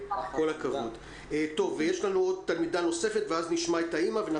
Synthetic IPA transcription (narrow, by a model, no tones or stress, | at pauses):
ko̞lakavod | et̪o̞vːejeʃlanuo̞d̪̚t̪almidano̞se̞fet̪veazniʃmaetaimavena